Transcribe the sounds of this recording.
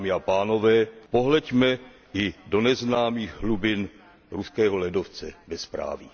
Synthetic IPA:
mɪapaːno̞vɛːpo̞ɦlɛcmɛ | ɪdo̞nɛznaːmiːɣɦlubɪn | ɾuskɛːɦo̞lɛdoft͡sɛbɛspɾa̰ːvɪ

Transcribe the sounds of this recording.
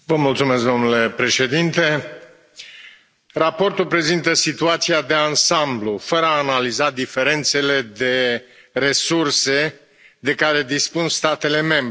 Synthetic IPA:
vəmult̪sumes̬k̚d̪o̞mnule̞pɾe̞ʃe̞d̪int̪e̞ | rapo̞rt̪ulpɾe̞zint̪əsit̪uat̪siad̪e̞ansamblufəɾəaːnalizad̪ife̞ɾe̞nt̪se̞le̞d̪e̞ | re̞surse̞ | d̪e̞kaɾe̞d̪ispunst̪at̪e̞le̞me̞mb

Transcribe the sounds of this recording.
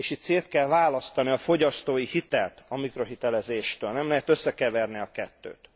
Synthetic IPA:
eːʃit̪seːt̪kɛlvaːlɒst̪ɒniɒfo̞ɟɒst̪oːjihit̪ɛ̰lt̪ɒmikro̞ɦit̪ɛlɛzeːʃt̪øːlnɛmlɛɦɛt̪ø̞sːɛkɛvɛrniɒkɛt̪ːø̰ːt̪

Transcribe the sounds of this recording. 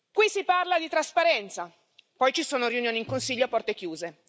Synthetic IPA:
kwisiparlad̪it̪ɾaspaɾɛnt̪sa | pɔjt͡ʃisoːnoɾiunjoːniːŋkonsiʎːoapːɔrt̪ekjuːze

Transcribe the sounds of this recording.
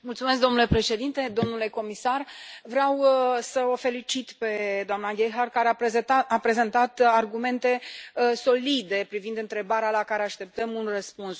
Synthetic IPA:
mult̪sumesk̚d̪o̞mnule̞pɾe̞ʃe̞d̪int̪e̞d̪o̞mnule̞ko̞misarvɾeawsəo̞fe̞lit͡ʃit̪pe̞d̪oamnaɡʲejɦard̚kaɾeaapɾe̞zent̪at̪arɡume̞nt̪e̞so̞lid̪e̞pɾivind̪ɨnt̪ɾe̞baɾealakaɾe̞aʃt̪e̞p̚t̪əmunrəspuns

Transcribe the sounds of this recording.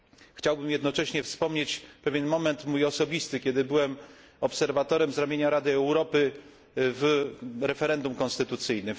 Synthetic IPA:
xt͡ɕawbɘmjɛd̪nɔt͡ʂɛɕɲɛfspɔmɲet͡ɕpɛvʲɛnmɔmɛnt̪mujɔsɔbʲist̪ɘkʲɛd̪ɘbɘwɛm | ɔpsɛɾvat̪ɔɾɛmzɾamʲjeɲaɾad̪ɘɛwɾɔpɘ | vɾɛfɛɾɛnd̪umkɔ̃nst̪ɘt̪ut̪sɘjnɘ

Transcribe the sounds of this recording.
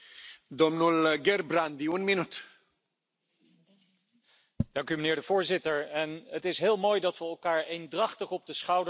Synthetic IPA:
dɔmnulɡɛrbrand̪iənminyt | d̥ɑŋkymənɪːɹdəvʊːɹzɪtəɹɛnətɪsɦɪːlˠmoːjdɑtʋəɛlˠkaːɹejndrɑχtəχɔb̚dəsχɑwd

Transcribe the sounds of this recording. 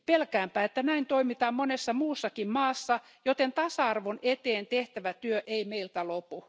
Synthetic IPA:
pelkæːmpæːet̪ːænæint̪oimit̪ɑːmmonesːɑmuːsːɑkimmɑːsːɑ | jot̪ent̪ɑsɑɑrʋonet̪eːnt̪eht̪æʋæt̪yøʔeimeilt̪ælopu

